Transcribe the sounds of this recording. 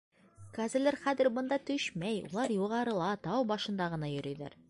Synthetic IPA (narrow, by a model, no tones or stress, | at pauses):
kæzɘ̆læɾχæðɘɾbŏnd̪ɑt̪ɵɕmæjṵlˠɑɾjuʁɑɾɤ̆lˠɑt̪ɑwbɒʃɤ̆nd̪ɑʁɤ̆nɑjɵ̆ɾy̆jlæ̰ɾ